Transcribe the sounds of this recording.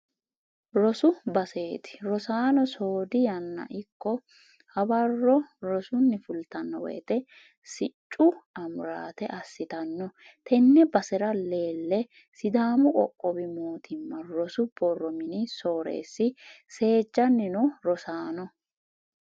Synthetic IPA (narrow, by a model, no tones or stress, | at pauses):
ɾɔsʊbɐse̞ːt̪ɪ̥ɾɔsaːnɔsoːd̪ɪjɐnːɐ̰ʔɪkːɔ | hɐbɐrːɔɾɔsʊnːɪfʊlt̪ɐnːɔwɛ̰ːt̪ɛ | sɪt͡ʃʼːʊɐmʊɾa̰ːt̪ɛʔɐsːɪt̪ɐnːɔ | t̪ʰɛnːɛbɐsɛɾɐle̞ːlːɛ | sɪd̪aːmʊkʼɔ̰kʼːɔbɪmoːt̪ʰɪmːɐɾɔsʊb̥ɔrːɔmɪnɪso̞ːɾḛːsːɪse̞ːd͡ʒːɐnːɪnʊɾɔsaːnɔ